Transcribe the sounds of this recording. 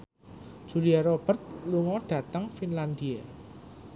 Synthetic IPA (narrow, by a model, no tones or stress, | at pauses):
d̥ʒ̥ṳliaɾob̥ə̤rt̪̚luŋɔɖ̥ä̤t̪əŋfinland̪ia